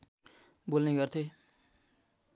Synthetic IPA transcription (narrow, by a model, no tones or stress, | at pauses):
bolneɡʌrt̪ʰe